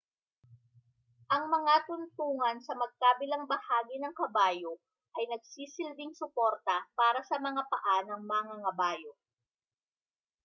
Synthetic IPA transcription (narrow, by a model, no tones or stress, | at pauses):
ʔɐŋmɐŋat̪ʊnt̪uːŋɐnsɐmɐɡ̚kaːbɪlɐŋbɐhaːɡɪnɐŋkɐbaːjo | ʔɐjnɐɡ̚siːsɪlbɪŋsʊpoɾt̪ɐpaːɾɐsɐmɐŋapɐʔanɐŋmɐŋɐŋɐbaːjo